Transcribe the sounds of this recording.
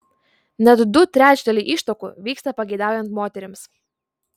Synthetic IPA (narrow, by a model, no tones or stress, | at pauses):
nad̪ːut̪ɾʲæːt͡ʃud̪ʲɛlʲiʔiʃt̪ɔkʊ̰ʋʲiːkst̪ɐpɐɡʲɛjd̪aːwjɛnt̪moːt̪ʲɛɾʲɪms